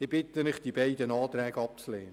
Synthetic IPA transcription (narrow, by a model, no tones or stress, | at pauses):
ɪb̥ɪtəmɪχd̥ibæɪdənɑːt̪ɾɛːɡəɑp̚t͡sleːnə